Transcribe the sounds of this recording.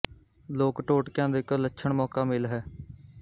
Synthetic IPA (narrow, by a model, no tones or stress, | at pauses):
loːkʈoːʈkjãːd̪ːɪklətːʃʰəɳmɔːkaːmɪlɦɛː